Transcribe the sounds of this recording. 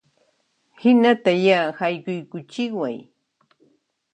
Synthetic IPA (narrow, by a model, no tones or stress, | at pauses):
hɪnat̪ajahajkʊjkʊt͡ʃɪkwaj